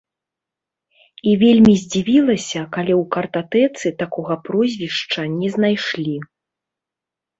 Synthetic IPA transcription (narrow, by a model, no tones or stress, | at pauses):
ivʲelʲmʲizʲd͡zʲivʲilˠɐsʲɐkalʲɛwkɐrt̪at̪ɛt̪sɨt̪akɔɣɐpɾɔzʲvʲiʂt͡ʂɐnʲɛznajʂlʲi